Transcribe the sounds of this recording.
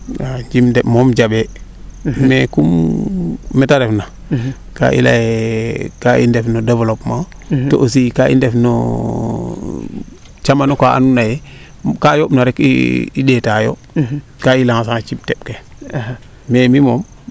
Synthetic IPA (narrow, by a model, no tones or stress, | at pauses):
aɲd͡ʒimdɛmɔmd͡ʒabɛ | mekumː | ɛtaɾɛfna | ka̰ʔḭla̰jekaḭndɛfnodɛvlopma | o̰ʔos̬ikaʔḭndɛfno̰ | t͡ʃamanokaʔa̰nunajɛ | kajopnaɾɛkḭiɗetaːjo̰ | kailaŋas̬aŋt͡ʃip̚tɛɓ̚ke | memimom